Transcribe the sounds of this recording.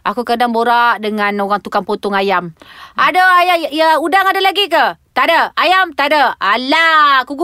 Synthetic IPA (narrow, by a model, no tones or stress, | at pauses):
ʔakukədaŋboɾaʔdəŋanoɣaŋt̪ukaŋpot̪ʊŋajamʔadəajajəudaŋadalaɡik̬ət̪aʔdəajamt̪aʔdəalaku